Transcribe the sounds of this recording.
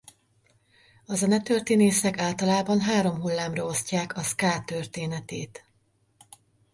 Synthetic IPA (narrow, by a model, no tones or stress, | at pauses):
ɒzɛnɛt̪øːrt̪eːneːsɛkaːlt̪ɒlaːbɒnɦaːɾo̞mɦulːaːmrɒo̞scaːkʰɒskaːt̪ørt̪eːnɛt̪eːt̪